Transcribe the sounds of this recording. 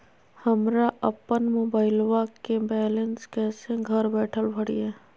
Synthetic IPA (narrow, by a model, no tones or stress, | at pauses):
hɐmɾaʔəpːənmoːbaːɪlwakebɛːlenskɛːseɡʱəɾbɛːʈʰəlbʱəɽḭɛː